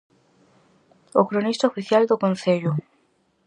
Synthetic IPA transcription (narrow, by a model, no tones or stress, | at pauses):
okɾonist̪aofiθjald̪okonθeʎʊ